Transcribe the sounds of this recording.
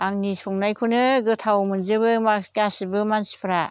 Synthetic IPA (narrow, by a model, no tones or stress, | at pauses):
aŋnisɔŋnajkʰunɯɡɯtʰawmɯnzɯbɯmakasibɯmansi̥pʰɯɾa